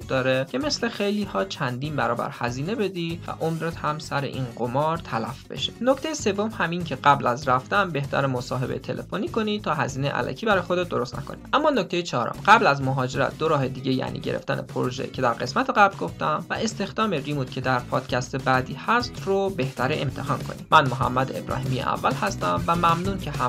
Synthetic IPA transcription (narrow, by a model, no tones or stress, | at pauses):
d̪ɒːɾecʰe̞me̞sle̞xejliːhɒːt͡ʃʰænd̪iːnbæɾɒːbæ̰ɾhæziːne̞be̞d̪ivæ̰ʔomɾet̪hæmsæɾe̞̰ʔiːnɢomɒːɾt̪ʰælæfbe̞̰ʃe̥nocʰt̪e̞jese̞vːo̞mhæmiŋcʰe̞ɢæblæzɾæft̪æmbe̞ht̪ʰæ̰ɾemosɒːɦe̞bejt̪ʰe̞le̞̰foniːkʰo̞nit̪ʰɒːɦæziːne̞jʔæ̰lʔæ̰cʰiːbæɾɒːjexod̪et̪̚d̪o̞ɾo̞st̪nʔæ̰kʰonḭd̪ʔæmːɒːnoc̚ʰt̪e̞jet͡ʃʰɒːɾo̰mɢæblæzmoɦɒːd͡ʒe̞ɾæ̰t̪̚d̪o̞ɾɒːɦe̞d̪iːɟe̞jæ̰ːnḭːɟe̞ɾḛft̪æ̰nʔḛpʰoɾoʒḛcʰe̞d̪æɾɡe̞smæt̪ʰe̞ɣæblɡo̞ft̪æmvæʔe̞st̪e̞xd̪ɒːmeɾimuːt̪̚cʰe̞d̪æɾpʰɒːd̪̥cʰæst̪ebæːd̪iːhæst̪ɾobe̞ht̪ʰæɾeemt̪ʰe̞hɒːnkʰo̞̰nḭ̥mʔænmoɦæ̰mːæd̪eebɾɒ̰ːɦiːmijḛʔæ̰vːælhæst̪æmvæmæmnuːncʰe̞ɦæ